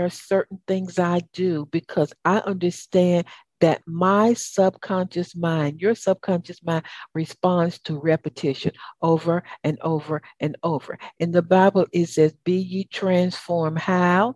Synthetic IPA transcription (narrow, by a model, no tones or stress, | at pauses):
sɜ˞ʔn̩θɪ̃ŋzaɪdɨbɨkʰʌzaɪʔʌ̃ndə˞stæ̃n | ðɨt̚maɪsʌb̥̚kʰɑ̃nʃɨsmãɪ̃ndjə˞sʌb̚kʰɑ̃nʃɨsmãɪ̃nɹɨspɑ̃nstʰəɹɛpɨtʰɪʃɨ̰̃nʔoʊvə˞ɨ̃noʊvə˞ɨ̃noʊvə̰˞ɨ̃nðɨbaɪbl̩ˠɪtsɛzbijɨtʰɹ̥æ̃nsfɔɹmhaʊ